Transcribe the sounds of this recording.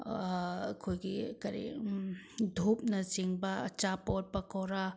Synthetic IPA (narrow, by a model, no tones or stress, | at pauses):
kʰojɡikɐɾḭ | dʱup̚nɐziŋbɐɐ̰t͡ʃapɔt̚pɐkɔwɾa